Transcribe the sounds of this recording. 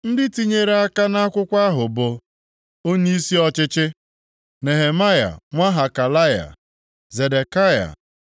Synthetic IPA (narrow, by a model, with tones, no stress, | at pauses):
n̩˦dɪ˦ti˦ɲe˦˨ɾe˨a˦ka˦na˦kʷʊ˦kʷa˦ɦʊ˨bʊ˨ | o˦ɲi˦i˦si˦ɔ˦t͡ʃɪ˦t͡ʃɪ˦ | ne˨ɦe˨ma˦ja̰˨ŋʷa˦ɦa˨ka˨la˦ja̰˨ | ze˨de˨ka˦ja̰˨